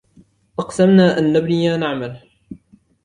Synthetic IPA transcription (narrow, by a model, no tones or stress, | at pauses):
ʔɑqsamnaːʔanːabnɪjaːnaʕmal